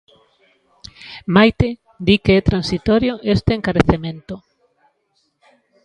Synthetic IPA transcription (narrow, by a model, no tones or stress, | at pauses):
majt̪e | d̪ikeɛt̪ɾãnsit̪ɔɾjoʔest̪eeŋkaɾeθemẽnt̪o